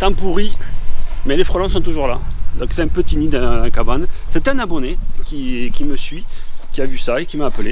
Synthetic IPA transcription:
t̪ɑ̃puʁi | mɛlefχɔlɑ̃sɔ̃t̪uʒuʁla̰d̪ɔ̃ksɛt̪ɛ̃pət̪inid̪ɛ̃kabansɛt̪ɛ̃nabɔnekʲikʲiməsɥikʲiavysaekʲimaːpəle

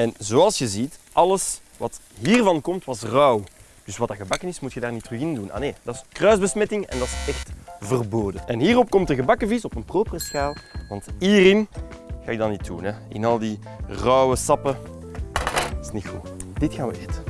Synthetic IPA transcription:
ɛnzoːɑlˠsjəzitʔɑləs | ʋɑtɦiːrvɑnkɔmtwɑsrɔw | d̥ʏswɑtɑɣəbɑkənɪsmutxədaːrnitrʏɣɪnduna̰neːd̥ɑskrœɥzbəsmɛtɪŋɛ̰ndɑtsɛxtvərboːdəʔɛnɦiːrɔp̚kɔmtəɣəbɑkəvisɔpənproːpərəsxaːlˠʋɑntiːrɪnɣaːɪɡ̚dɑnitunɛɪ̰nɑlˠdi | rœwəsɑpə | snixṵːd̥ɪtxaːʋə̰etə̥

